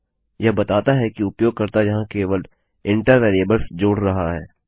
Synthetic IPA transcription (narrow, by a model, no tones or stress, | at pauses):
jɐbɐt̪aːt̪aɦɛkiʊpjoːɡ̚kɐɾt̪ajɐɦãkeːʋəl | ɪ̃ɳʈəɾʋeːɾiəbəlsd͡ʒoːɽ̤ɾɐɦaɦɛː